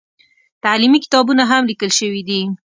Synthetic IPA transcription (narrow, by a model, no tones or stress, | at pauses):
t̪alimikɪ̥t̪ɑbunaɦamlikəlʃəwid̪i